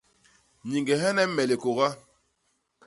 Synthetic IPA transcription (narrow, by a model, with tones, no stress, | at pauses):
ɲi˨ŋɡɛ˨ɦɛ˦nɛ˦mɛ˨le˨ko˨ɣa˦